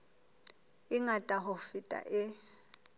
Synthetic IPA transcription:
ɪŋatʼaɦʊfitʼa̰ʔɪ

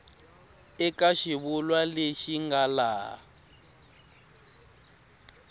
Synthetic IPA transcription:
ɛkaʃiβulwaleʃiŋɡala̰

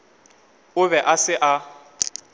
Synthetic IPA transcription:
ʊβɛʔasɪʔa

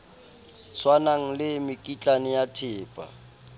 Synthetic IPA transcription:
swanaŋ̩lɪmɪkʼit͡ɬʼanɪjatʰɪːpʼa̰

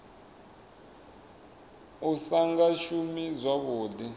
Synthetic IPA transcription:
usaŋɡaʃumizʷwaβoːdi

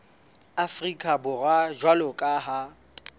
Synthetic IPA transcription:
afrikʼabʊrwad͡ʒwalɔkʼaɦa

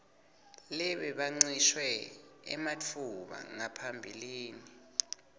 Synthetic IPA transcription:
lɛɓɛɓaŋ͡ǀiʃwɛɛ̰mat͡fʰuɓa̰ŋapʰambʱiliːni

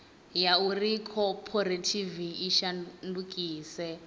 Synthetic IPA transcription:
jaurikʰɔpʰoɾetʰiviːʃandukʼiːsɛ

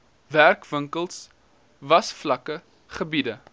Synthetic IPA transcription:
værkvəŋkəlˠs | vɐsflɐkə | χəbidə

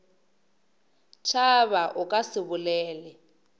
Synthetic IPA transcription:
t͡ʃʰaβaʔʊkʼasɪβʊlɛːlɛ

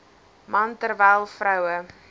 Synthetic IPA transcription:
mɐntərvɛjlˠfrœwə

